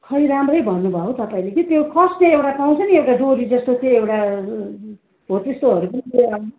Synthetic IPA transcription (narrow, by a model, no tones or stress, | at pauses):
kʰʌiɾamrʌjbʱʌnːubʱʌkot̪ʌpaĩlekit̪jokʰʌsneewʈapaw̃t͡sʰʌniewʈaɖoɾid͡zʌst̪ot̪oewʈa | ɦot̪est̪oɦʌɾupʌniea